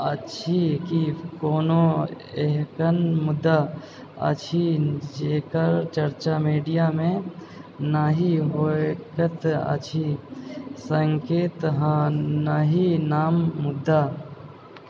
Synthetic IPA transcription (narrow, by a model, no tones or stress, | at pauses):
ət͡ʃʰikikoːno | eɦkənmʊd̪ːa | ə̰t͡ʃʰid͡ʒeːkəɾt͡ʃəɾt͡ʃamiːɖijamẽ | naɦiɦokət̪ə̰t͡ʃʰi | səŋkeːt̪ɦãnəɦinaːmːʊd̪ːa